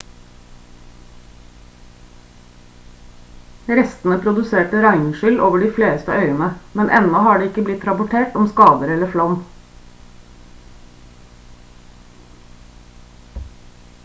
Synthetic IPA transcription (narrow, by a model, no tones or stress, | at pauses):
ɾɛst̪n̩əpʰɾʊd̪ʉseːʈəɾɑɪnʃʏlʔoːʋəɖiːfleːst̪əʔœʏənəmɛnʔɛ̰nɔhɑːɖeːɪkəblɪt̪ɾɑpʊʈʰeːʈɔmskɑːd̪əɾɛləflɔm